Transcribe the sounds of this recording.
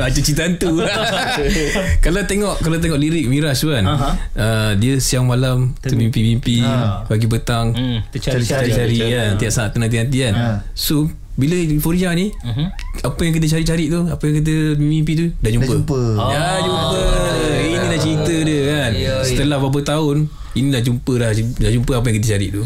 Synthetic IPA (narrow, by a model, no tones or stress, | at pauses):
at͡ʃət͡ʃit̪ant̪u | kalat̪eŋɔʔkalawt̪̬eŋɔʔliɾik̚miɾasukanədiəsiaŋmalamt̪əbimpibimpibaɡibət̪aŋ | aɾiant̪idaʔsaaʔt̪ːənant̪inant̪̬ian | so | biləifoɾiani | apəjaŋkit̪̬ət͡ʃaɾiʔ̚t͡ʃaɾiʔt̪uapəjaŋkit̪̬əbimimpit̪̬udad͡ʒumpəpəjad͡ʒumpəinidaht͡ʃəɾit̪ədəkansət̪əlahbabət̪aʊn | inilahd͡ʒumpəlahdahd͡ʒumpəapəjaŋkit̪ət͡ʃaɾḭʔt̪u